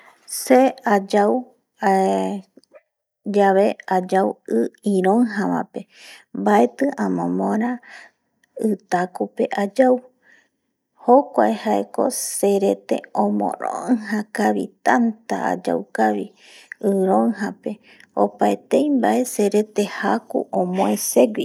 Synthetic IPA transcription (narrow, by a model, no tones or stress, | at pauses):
sead͡ʒaw | a | d͡ʒaβe̞ad͡ʒawɨĩɾõŋɦãβã̰pe̞mbae̞t̪ɨʔãmõmõɾã | ɨt̪akupe̞ʔad͡ʒaw | hokʷaehaeko̞̰se̞ɾe̞t̪e̞̰õmõ̰ɾo̰ɨhãkaβḭt̪ant̪a̰a̰d͡ʒa̰wkaβi | ɨɾõŋɦãpe̞ | o̰paet̪ejmbaʔe̞se̞ɾe̞t̪e̞hakṵʔõmõese̞ɡʷi